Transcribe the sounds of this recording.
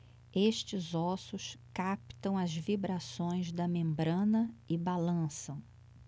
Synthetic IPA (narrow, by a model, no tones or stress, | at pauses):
eʃt͡ʃɪzɔsʊskapt̪ɐ̃w̃ɐzvibɾasõj̃zd̪ɐmẽmbɾɐ̃nɐɪbalɐ̃sɐ̃w̃